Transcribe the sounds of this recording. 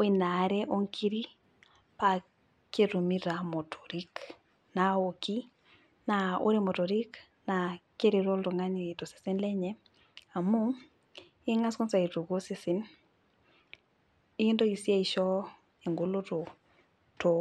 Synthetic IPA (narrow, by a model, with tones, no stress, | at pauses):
wi˨na˨˦ɾɛ˦ʔo˦ŋkʰi˦ɾi˦ | pa˨ | ke˦ɾu˨miɾa˨mo˨tʰo̥˨ɾik | na˨o˨ki˦ | na˨o̰˦ɾe˦mo˨to˨ɾi˦k | nake˦ɾi˨ɾo˦lto˨ŋa˦ni˨to˨si̥˨si˦nlɛ˦ɲɛ | a˨mu˦ | i˦ŋa˦skɔ˦nsa˨i˨tu˨ko˦si˨si˨n | i˦i˦ndo˦i˨si˦a˦iʃɔ˦ | e˨ŋɡo˦lo˦to˨ | to˨